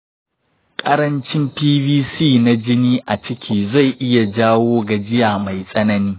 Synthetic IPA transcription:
kʼɐ˦ɾɐ˦nt͡ʃɪ˦mpiː˦biː˦siː˦˨na˦d͡ʒɪ˦niː˦ʔa˨t͡ʃɪ˦kʲʰiː˦za˦˨jʔɪ˦ja˨d͡ʒaː˦woː˦ɡa˨d͡ʒɪ˦jaː˨ma˨jsʼɐ˦nɐ˦niː˦

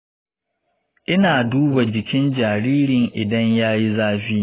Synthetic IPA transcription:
ʔɪ˦naː˨duː˦ba˨d͡ʒɪ˨kʲɪ˦nd͡ʒaː˨ɾiː˦ɾɪ˨ŋʔɪ˨dɐ˦ɲjaː˦ji˦zaː˦ɸiː˦

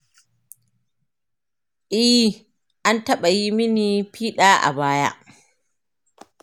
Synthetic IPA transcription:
ʔɪ˦h | ʔa˦ntɐ˦ɓa˨ji˦mɪ˦niː˨piː˦ɗaː˦ʔa̰˨baː˦ja̰˦ʔ

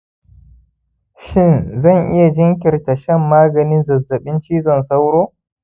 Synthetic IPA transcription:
ʃɪ˦˨nzɐ˦˨ŋʔɪ˦ja˨d͡ʒɪ˦ŋkʲɪ˨rta˨ʃɛ˦mːaː˦ɡɐ˨nɪ˦nzɐ˨zːɐ˨ɓɪ˦nt͡ʃiː˦zɔ˨nsa˦wɽoː˦

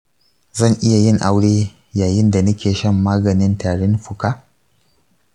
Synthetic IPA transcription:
zɐ˦˨ŋʔɪ˦ja˨jɪ˦ŋʔa˦wɽeː˦ | jaː˨jɪ˦nda˨nɐ˦kʲeː˨ʃɐ˦˨mːaː˦ɡɐ˨nɪ˦ntaː˨ɽɪ˦nɸʊ˨kaː˦

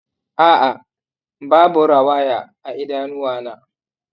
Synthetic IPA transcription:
ʔaː˦ʔa˨ | baː˦bʊ˨ɾa˨waː˦jaː˨ʔa˨ʔɪ˦daː˦nʊ˦waː˦˨naː˦

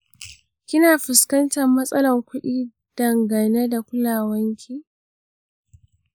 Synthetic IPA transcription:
kʲɪ˦naː˨ɸɪ˨skɐ˦ntɐ˨mːɐ˦sʼɐ˦lɐ˨ŋkʷʊ˦ɗiː˦ | d̥ɐ˨ŋɡɐ˨ne˦da˨kʷʊ˦laː˨wɐ˦ŋkʲʰiː˦

